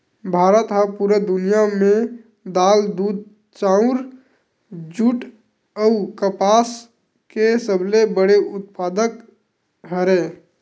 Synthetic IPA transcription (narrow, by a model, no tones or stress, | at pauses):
bʱaːɾət̪ɦəpuɾəd̪ʊnijamẽ | d̪aːld̪uːd̪̚ | t͡ʃaːʊ̃ɾ | d͡ʒʊʈ | əʊkəpaːs | kesəblebəɽeʊt̪̚paːd̪ək | ɦəɾẽː